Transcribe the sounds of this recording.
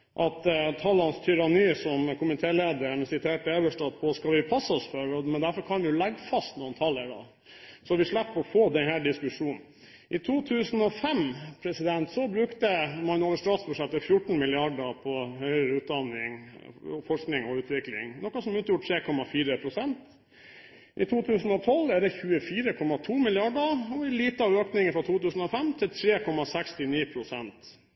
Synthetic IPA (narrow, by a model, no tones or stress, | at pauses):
ʔɑt̪t̪ʰɑlɑnst̪ʰʏɾɑniːsɔmkʰʊmɪt̪ʰeːleːd̪əɾnəsɪt̪ʰeːʈəebəʂʈɑd̪̚pʰɔskɑlʋɪpʰɑsːɔsfɔɾɔmɛnd̪æɾfɔɾkʰɑnʋɪʊlɛɡfɑst̪nuːnt̪ʰɑlːəɖɑ̰ | sɔʋɪʂlɭæpːɔɔfoːd̪ɛnhæːɖɪskʉʂuːnn̩ | ʔɪt̪ʰuːt̪ʰʉːsn̩ɔfɛmpʰɾɛsɪd̪ɛnt̪sɔbɾʉkt̪əmɑnʊɑləst̪ɑːt̪sbʉʂɛt̪ːəfjʊʈːn̩mɪlɪɑɖəpʰɔhœʏəɾəʉːt̪̚d̪ɑnɪŋfɔʂknɪŋɔʉːt̪ʋɪklɪ̰ŋnɔkɑsɔmʉːt̪juʈʰɾeːkʰɔmɑfiːɾəpʰɾʊsɛnt̪ | ʔɪ̰t̪ʰuːt̪ʰʉːsn̩ɔt̪ʰɔlːæɖɛçʉːəfiːɾəkʰɔmɑt̪ʰuːmɪlɪɑɖəɔɪliːt̪əɑʋøːknɪŋəfɾɑt̪ʰuːt̪ʉːsn̩ɔfɛmt̪ʰɪlt̪ʰɾeːkʰɔmɑsɛkst̪ɪniːpʰɾʊsɛnt̪